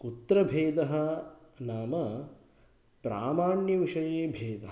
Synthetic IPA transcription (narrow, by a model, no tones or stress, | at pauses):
kut̪ɾɐbʱeːd̪ɐɦɐ̆naːmɐ | pɾa̰ːmaːɳjɐʋiʃɐjeːbʱeːd̪ɐɦ